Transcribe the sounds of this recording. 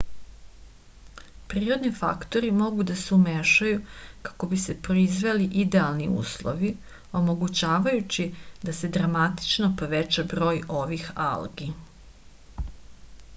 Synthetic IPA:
pɾiːɾo̞d̪nifa̰kt̪o̞ɾimo̞ɡud̪aseumeʃajukḁko̞bise̞pɾoizʋe̞liʔid̪e̞alˠniṵːslˠo̞̰ʋi | o̞mo̞ɡut͡ɕaːʋajut͡ɕid̪ase̞d̪ɾamat̪i̥t͡ʃnopo̞ʋet͡ɕabɾo̞ːjo̞ʋixa̰lɡi

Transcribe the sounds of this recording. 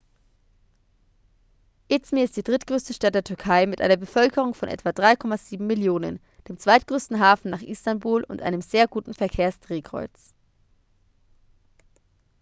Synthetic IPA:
ʔɪt͡smiɪst̚d̥iːdʁɪtɡ̥ʁøːstəʃtat̚d̥eːɐtʰʏɐkʰaɪmɪtʔa̰ɪnɐbəfœlkəʁ̞ʊŋfɔnʔɛ̰tv̥aːdʁaɪkʰɔmaziːbm̩mɪljoːnə̰n | d̥eːmt͡sv̥aɪt̚ɡ̥ʁøːstn̩ɦaːfn̩naːχʔɪstanbuːlʔʊ̰ntʔa̰ɪnəmzeːɐɡuːtn̩fɛɐkʰeːɐsd̥ʁ̥eːkʁ̥ɔ̰ʏt͡s

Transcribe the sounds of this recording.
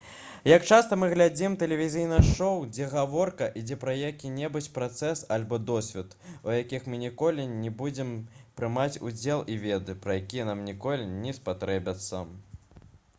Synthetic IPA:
jɐkt͡ʂast̪ɐmɨɣlʲad͡zʲimt̪ɛlʲɛvʲizʲijnɐʂɔwd͡zʲɛɣavɔrkɐʔid͡zʲɛpɾɐjakʲinʲɛbut͡sʲpɾat̪sɛsalʲbɔd̪ɔsʲvʲɛt̪ujakʲixmɨnʲɛkɔlʲinʲɛbud͡zʲɛmpɾɨmat͡sʲṵd͡zʲɛlˠivʲɛd̪ɨpɾɐjakʲijɛnamnʲikɔlʲinʲɛspat̪ɾɛbʲɐt̪sːɐ̰

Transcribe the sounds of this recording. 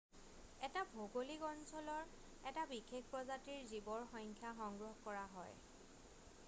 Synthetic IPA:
ɛtabʱoɡolikɔnsɔlɔɹ | ɛtabixek̚ʰpɹɔzatiɹzibɔɹxɔjŋkʰjaxɔŋɡɹɔɦkɔɹaɦɔj

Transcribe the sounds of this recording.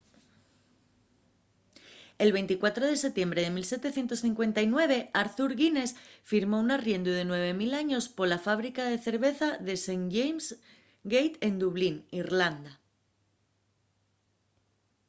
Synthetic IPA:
e̞lβe̞jnt̪ikwat̪ɾo̞ð̞e̞se̞t̪je̞mbɾe̞ð̞e̞milse̞t̪e̞θje̞nt̪o̞sθiŋkwe̞nt̪ajnwe̞β̞e̞aɾθuɾɣine̞sfiɾmo̞unarje̞nd̪uðe̞nwe̞β̞e̞milaɲo̞spo̞lafaβ̞ɾikaðe̞θe̞ɾβe̞θaðe̞seŋʝejms | ɡejt̪e̞nd̪uβlinirland̪a

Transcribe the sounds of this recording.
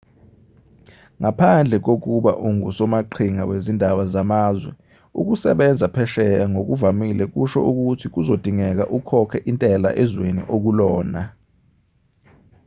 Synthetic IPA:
ŋapʰand͡ɮʱɛk̬ok̬uɓa̰ʔuŋusɔmaǃʰiŋawezindʱaɓazamaːzwɛ | ṵk̬usɛɓɛnd͡zʱapʰɛʃɛjaŋok̬uvamilɛk̬uʃɔ̰ʔuk̬utʰik̬uzod̥ʱiŋɛk̬a̰ʔukʰɔkʰɛʔintʼɛla̰ʔɛzwenḭʔok̬ulɔːna

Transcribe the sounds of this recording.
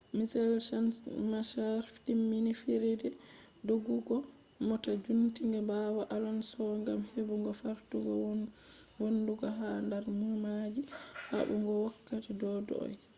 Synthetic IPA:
misɛlʃanmaʃaɾftimːinifiɾedɛ | doɡuɡɔ | mɔtad͡ʒuntiŋɡɛbawaʔalɔnsɔŋɡamhebuŋɡɔfaɾtuɡɔ̰ | wonduɡɔɦandaɾmumad͡ʒiha̰buŋɡɔwakːatidɔdɔ̰ɔ̰j

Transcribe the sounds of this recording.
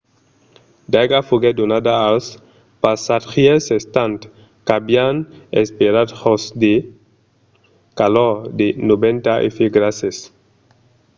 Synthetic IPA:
d̪aɡafuɡed̪onad̪aas | pasat̪xiesest̪ant̪ | kabjanespeɾad̪hosd̪e | kaloɾd̪enobent̪aʔḛfiɡɾases

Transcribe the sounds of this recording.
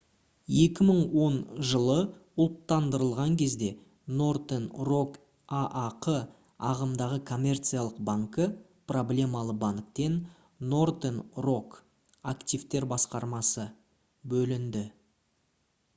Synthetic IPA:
je̞kʲɪməɴwo̞nʒəlˠəʊlˠt̪ːɑnd̪əɾəlˠʁɑŋkʲʰe̞zd̪e̞ | no̞rd̪enro̞k | aʔaqʰə | ɑʁəmd̪ɑʁəkʰo̞mʲe̞rt̪sɨjalˠəqbaŋkə | problʲe̞mɑlˠəbaŋk̚t̪e̞nː | o̞rd̪enro̞k | akt̪ijvt̪e̞ɾbɑsqɑɾmɑsə | bɵlɪnd̪ɪ

